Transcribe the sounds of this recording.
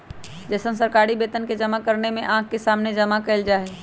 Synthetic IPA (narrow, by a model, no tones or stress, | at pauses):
d͡ʒɛːsənsəɾkaːɾibeːt̪ənked͡ʒəmakəɾnemẽʔãːk̚kesaːmned͡ʒɐmakɐɪld͡ʒaːɦeː